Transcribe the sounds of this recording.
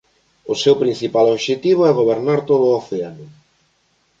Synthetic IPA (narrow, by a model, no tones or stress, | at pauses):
ʊsewpɾin̟θipaloβʃet̪iβ̞oɛɣ̞oβeɾnaɾt̪oðʊoθeanʊ